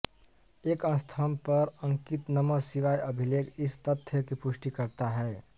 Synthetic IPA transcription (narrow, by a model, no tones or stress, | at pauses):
eːkə̃nst̪ʰəmpəɾə̃ŋkɪt̪nəməsiʋajʔəbʱileːkɪst̪ət̪ʰːjəkipʊʃʈikəɾt̪aɦɛː